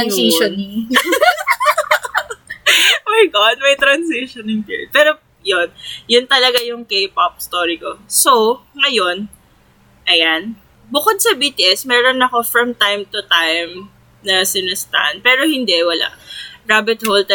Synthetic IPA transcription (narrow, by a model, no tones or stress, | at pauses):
majɡad̪̚mɐjt̪ɾɐnsiʃonɪŋk̪ɛ̰pɛːɾo | jonjʊnt̪ɐlɐɡajʊŋkejpap̚st̪oːɹikosoŋɐjo̞n | ʔɐjan | bʊkod̪̚sɐbiːt̪iʔɛsmɛːɾonɐko̞fɹɐmt̪ajmt̪ʊt̪ajm | nɐsɪnɛst̪a̰ʔn̚pɛːɾohɪnd̪ɛʔwɐla̰ʔɹaːbɪt̪̚holt̪ɛ